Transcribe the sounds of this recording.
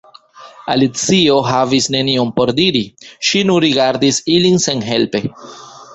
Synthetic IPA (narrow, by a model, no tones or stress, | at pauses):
a̰lit͡sio̞ɦavisne̞niompo̞ɾdiɾiʃinunɾiɡaɾdisilinse̞nɦe̞lpe̞